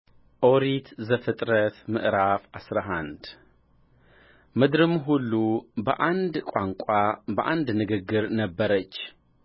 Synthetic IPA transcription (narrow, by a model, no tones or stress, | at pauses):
ʔoɾit̪zəfɨt̪ʼɾət̪mɨʔɾafasɾaɦand̪ | mɨd̪ɾɨmɦulːubəʔand̪kʷʼaŋkʷʼabəʔand̪nɨɡɨɡːɨɾnəbːəɾət͡ʃː